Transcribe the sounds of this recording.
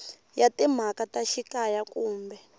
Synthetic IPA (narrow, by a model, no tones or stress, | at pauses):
jatim̤akataʃikajakuːmbɛ